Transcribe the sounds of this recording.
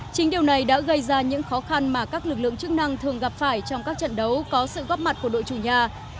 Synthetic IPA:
t͡ɕï˨˦ŋ̟ɗi˨˩əwna˨˩jɗa̰ː˧˥ɣə˧jzaː˧ɲɨ̰˧˥ŋxɔ˨˦xa˧nmaː˨˩kaː˦˥k̚lɨ˨˩k̬̚lɨ̰˧˨əŋt͡ɕɨ˦˥k̚na˧ŋt̪ʰɨ˨˩əŋɣa˨˩p̚faː˧˩jt͡ɕɔ˧wŋ͡mkaː˦˥k̚t͡ɕə̰˧˨nɗə˨˦wkɔ˨˦sɨ̰˧˨ɣɔ˦˥p̚ma˨˩t̚ku˧˩əɗo̰˧˨t͡ɕu˧˩ɲaː˧

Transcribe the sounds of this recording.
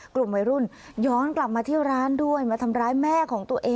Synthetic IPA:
klu˨˩mwa˧jɾu˥˩n | jɔː˦˥nkla˨˩p̚maː˧iː˥˩wɾaː˦˥ndu˥˩əjmaː˧t̪ʰa˧mɾaː˦˥jmɛː˥˩kʰɔː˩˦ŋt̪u˧əʔeː˧

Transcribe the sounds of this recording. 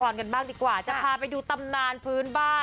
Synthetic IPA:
ɔː˨˧˩nka˧nbaː˥˩ŋdiː˧kwaː˨˩t͡ɕa˨˩pʰaː˧pa˧jduː˧t̪a˧mnaː˧npʰɯː˦˥nbaː˥˩

